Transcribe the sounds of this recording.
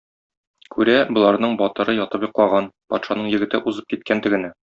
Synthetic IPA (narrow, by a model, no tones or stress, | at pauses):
kʰʉɾæbŏlˠɑɾnɤɴbɒt̪ɤ̆ɾɤjɒt̪ɤpjŏqlˠɑʁɑnpɒ̰t̪ʃɑnɤɴjɘ̆ɡɘ̆t̪ɘʔuzɤp̚kit̪̚kænt̪ɘ̆ɡɘ̆næ